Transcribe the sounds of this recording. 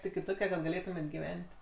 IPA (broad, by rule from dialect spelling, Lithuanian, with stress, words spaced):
ɪkʲɪ ˈtoːkʲɛ kɐt ɡɐˈlʲeːtʊmʲeːtʲ ɡʲɪˈʋʲɛnʲtʲ